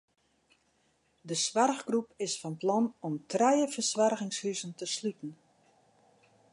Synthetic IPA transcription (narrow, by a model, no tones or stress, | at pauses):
dəsʋarɣɡrupɪsfɔnplɑnɔmtʰrɛjəfəsʋarɣɪŋshyzəntəslytn̩